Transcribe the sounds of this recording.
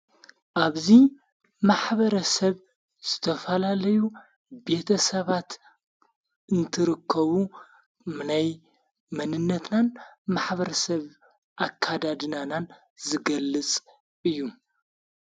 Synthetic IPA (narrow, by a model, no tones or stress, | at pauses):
ʔaβzi | maħβɐɾɐsɐβ | z̥ɨt̪ʰɐfɐlalɐju | be̞t̪ʰɐsɐβat̪ | ɨnt̪ʰɨɾɨkʰːɐβu | mnaj | mɐnɨnːɐt̪nanmaħbɐɾɐsɐβ | ʔakʰːad̪ad̪ɨnanan | zɨɡɐlːɨt͡sʼ | ɨjːu